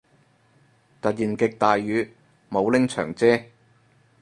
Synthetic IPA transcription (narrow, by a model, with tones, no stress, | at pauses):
t̪ɐ˨t̚jiː˨˩nkɪ˨k̚t̪aː˨jyː˨˧ | mo˨˧wlɪ˥ŋt͡ʃʰœ̰ː˨˩ŋt͡sɛː˥